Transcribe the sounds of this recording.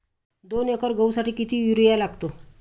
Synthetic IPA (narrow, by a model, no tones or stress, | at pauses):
d̪onekɔɾɡəwsaʈiːkit̪ʰiːjuɾijalaɡt̪o